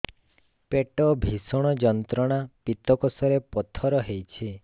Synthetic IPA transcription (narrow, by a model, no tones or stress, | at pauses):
peʈɔbʱisɔɽ̃ɔd͡ʒɔnt̪ɾɔɽ̃apit̪ɔkɔsɔɾepɔt̪ʰɔɾɔɦejt͡ʃʰi